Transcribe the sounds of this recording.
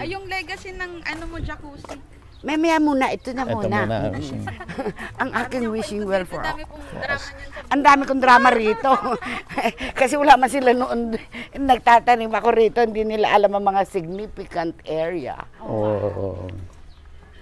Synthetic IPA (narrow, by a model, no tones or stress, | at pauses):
jʊŋlɛɡɐsonɐŋʔɐnomod͡ʒɐkuːsi | mɐjmɐjaʔmuːnɐʔɪt̪onɐmuːna | ʔɐŋʔaːkɪŋwiʃɪŋwɛlfɔɹɐ̰ko | ʔɐnd̪aːmɪkond̪ɾaːmɐɾiːt̪o̞ | kɐsɛwɐlaːmɐnsɪlanoʔonnɐɡ̚t̪aːt̪ɐnimɐɐko̞ɾiːt̪o̞hɪnd̪inɪlaʔɐlamɐŋmɐŋasɪɡ̚nifɪkɐnt̪ʔɛɹjɐ̰